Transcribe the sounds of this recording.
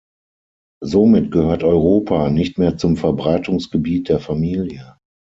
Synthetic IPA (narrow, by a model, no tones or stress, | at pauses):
zomɪtɡ̥əhøːɐtɔʏʁoːpʰanɪçtmeːɐt͡sʊmfɛɐbʁaɪtʊŋsɡ̥əbiːt̚d̥eːɐfamiːljə